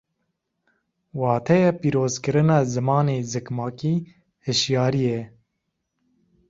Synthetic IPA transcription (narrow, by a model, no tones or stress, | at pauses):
wɑːt̪ʰɛjɛːpiːɾoːzkɨɾɨnɑːzɨmɑːneːzɨkmɑːkiː | hɨʃjɑːɾijɛ